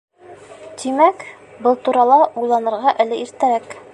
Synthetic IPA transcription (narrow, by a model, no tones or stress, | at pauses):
t̪imæk | bɤlˠt̪uɾɑlˠɑʔujlˠɑnɤ̆ɾʁɑʔælɘiɾt̪æɾæk